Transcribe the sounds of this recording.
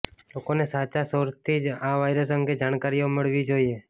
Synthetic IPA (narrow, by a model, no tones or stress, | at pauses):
lokonesat͡ʃasəɾt̪ʰid͡ʒaʋajɾəsəŋɡed͡ʒaɽ̃kaɾijoməɭʋid͡ʒoie